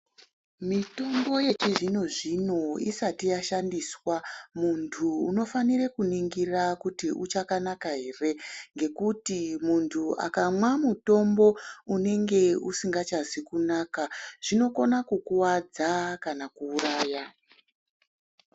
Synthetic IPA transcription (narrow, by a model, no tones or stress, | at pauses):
mito̞mbo̞je̞t͡ʃiʐino̞ʐino̞isatijaʃandiːswamuntʰuːno̞fanirekuniŋɡirakutiʔut͡ʃakanakaɦe̞re̞ŋɡe̞kutimuntʰua̰kamwamuto̞mbo̞une̞ŋɡe̞usiŋɡat͡ʃazikunaːkaʐ̥ino̞ko̞nakukuwad͡zakanakuːraːja